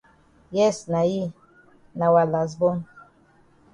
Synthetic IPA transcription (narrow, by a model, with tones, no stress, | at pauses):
jɛ˦˨sna˨ji˦ | na˨wa˨la˨s̬bɔ˦n